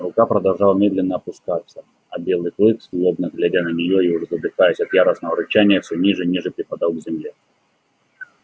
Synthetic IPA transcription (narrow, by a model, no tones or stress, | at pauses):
ɾʊkapɾəd̪ɐlˠʐɑlˠmʲe̞d̪lʲɪnːəːpʊskat̪sːə | ɐbʲe̞lˠɨjklˠɨkslˠobnəɡlʲɪɾʲanənʲɪjoiʊʐzəd̪ɨxajəsʲɐt̪jaɾəsnəvəɾʊt͡ɕænʲɪjəfsʲɵnʲiʐɨnʲiʐɨpɾʲɪpɐd̪ɑlˠɡzʲɪmlʲe